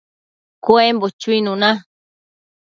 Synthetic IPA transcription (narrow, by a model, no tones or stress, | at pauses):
koembot͡ʃuinũnã